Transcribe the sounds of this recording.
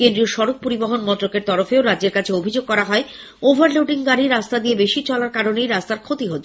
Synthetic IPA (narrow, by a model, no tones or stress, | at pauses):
kend̪ɾioʃɔɾok̚poɾiboɦonmɔnt̪ːɾokeɾt̪ɔɾofeoɾadd͡ʑeɾkat͡ɕʰeobʱid͡ʑoɡ̚kɔɾaɦɔe | obʱaɾloʈiŋɡaɾiɾast̪ad̪iebeʃit͡ɕɔlaɾkaɾonejɾast̪aɾkʰot̪iɦot̪ː